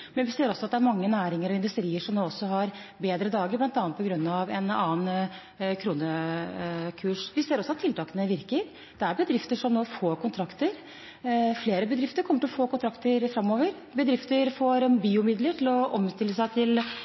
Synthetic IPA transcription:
mɛnʋɪseːɾɔsːɔɑt̪d̪ɛæɾmɑŋːənæːɾɪŋəɾɔɪnd̪ʉst̪ɾiːəʂɔmnoːɔsːɔɦɑɾbeːd̪ɾəd̪ɑːɡəɾblɑnt̪ɑːnpɔɡɾʉnːɑʋɛnɑːən | kʰɾuːnə | kʰʉːʂʋɪseːɾɔsːɔɑt̪ʰːɪlt̪ɑːkənəʋɪɾkəɾ | d̪̥ɛæɾbəd̪ɾɪft̪əʂɔmnoːfoːɾkʊnt̪ʰɾɑkt̪əɾ | fleːɾəbəd̪ɾɪft̪əɾkʰɔmːəʈɪlɔfoːkʊnt̪ʰɾɑkt̪əɾfɾɑmːoːʋəɾ | bəd̪ɾɪft̪əɾfoːɾbiːʊmɪd̪ləʈʰɪlɔʔɔmst̪ɪlːəsæɪt̪ʰɪl

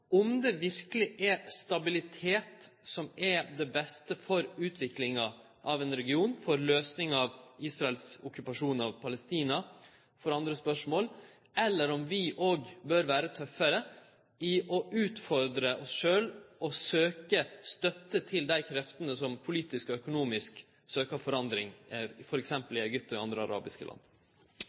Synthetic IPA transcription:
ɔmd̪ɛʋɪɾkəlɪʔɛst̪ɑbɪlɪt̪ʰeːt̪sɔmɛd̪ɛbɛst̪əfɔɾʉːt̪ʰʋɪklɪŋɑ | ʔɑʋɛnɾɛɡɪuːnfɔɾløːsnɪŋɑʋiːsɾɑɛlsʊkʉpɑʂuːnɑʋpʰɑləst̪iːnɑ | fɔɾɑnd̪ɾəspœʂmoːl | ɛlːəɾɔmʋɪʔoːɡbøɾʋæːɾət̪ʰœfːəɾə | ɪʔɔʔʉːt̪fɔɾd̪ɾəʔɔsʂøːlʔɔsøːkəst̪œt̪ːət̪ʰɪld̪æɪkʰɾɛft̪ənəsɔmpʰʊliːt̪ɪskɔœkʊnuːmɪsk | søːkɑʋfɔɾɑnd̪ɾɪŋfɔɾɛksɛmpəlɪɛɡʏp̚t̪ɔɪɑnd̪ɾəɑ̰ɾʔɑ̰ːbɪskəlɑ̰nd̪

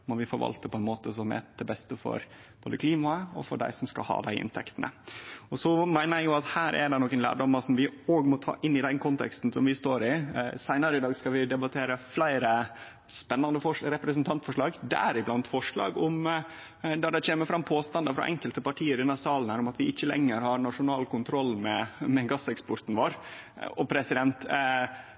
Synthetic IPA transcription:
mɔʋɪfɔɾʋɑ̰lt̪əpʰɔɛnmoːt̪əsɔmɛ̰d̪̥ɛbɛst̪əfɔ̰ɾ | boːd̪əkʰliːmɑɔ̰fɔ̰ɖæ̰ɪsɔmskɑ̰lhɑ̰ːd̪æɪʔɪ̰nt̪ʰɛ̰kt̪ənə̰ɔsɔmæɪnəɾjæɡjʊɑt̪hæːɾʔɛ̰ɖɛnɔkːənlæ̰ːɖɔməsɔmʋɪoːɡmɔt̪ʰɑ̰ːʔɪnːɪd̪ɛnkʰɔnt̪ʰɛ̰kst̪n̩sɔmʋɪst̪oːɾɪsæɪnəɾəɪd̪ɑːɡskɑʋɪd̪ɛbɑt̪ʰeːɾəflæɪɾə | spɛnːɑnd̪əfɔɾɛpɾɛsnt̪ʰɑnt̪fɔʂɭɑːɡd̪æ̰æɾɪblɑnt̪fɔʂɭɑ̰ːɡɔm | d̪ɑɖ̪ɛt͡ɕeːməfɾɑmpʰoːst̪ɑnd̪əfɾɑ̰ʔɛ̰ŋkəlt̪əpɑʈʰiːəɾɪnɑɾsɑːlən̩hæːɾʊmɑt̪ʋɪʔɪçːəlɛ̰ŋːəɾhɑɾnɑʂʊnɑːlkʊnt̪ʰɾɔlːmɛmɛɡɑsɛkspɔɾt̪n̩ʋoːɾ | ɔpʰɾɛsɪd̪ɛnt̪

